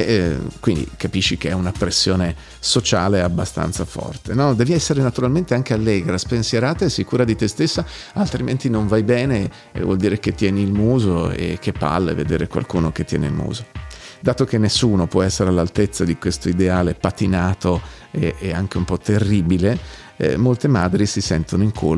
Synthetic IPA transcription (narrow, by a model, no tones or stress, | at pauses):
kwind̪ḭkapiʃːikeɛunapːɾesːjoːne | sot͡ʃaːleabːast̪a̰nt̪safɔ̰rt̪enɔd̪ɛːviɛsːeɾenat̪uɾalment̪eaŋk̟ealːɛːɡɾaspensjeɾaːt̪aesikuːɾad̪it̪est̪esːa | alt̪ɾiment̪inoɱvajbɛːne | vwɔ̰ld̪iːɾeket̪ːjɛːniːlmuːzoḛk̟ːepːa̰lːḛvḛd̪ḛːɾekwa̰lkuːnok̟et̪ːjɛ̰ːnḛḭlmṵːzod̪aːt̪ok̟enːesːuːnopwɔɛsːeɾealːalt̪et̪sːad̪ikwest̪oid̪eaːlepat̪inaːt̪o | eeaŋk̟eumpɔt̪ːerːiːbilḛ | molt̪emaːd̪ɾisisɛ̰nt̪onoiŋkʰo